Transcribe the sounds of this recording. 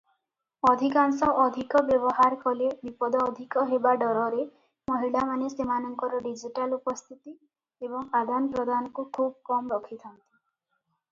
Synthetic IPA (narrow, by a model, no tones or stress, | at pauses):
ɔd̪ʱikaŋsɔʔːd̪ʱikɔbjɔbɔɦaɾkʰɔlebipɔd̪ʱɔːd̪ʱikɔɦebaɖɔɾɔɾe | mɔɦiɭamanesemanɔŋkɔɾɔɖid͡ʒiʈalupɔst̪ʰit̪i | ebɔŋad̪anpɾɔd̪ʱanɔkukʰub̚ɔkɔmɾɔkʰit̪ʰɔnt̪i̥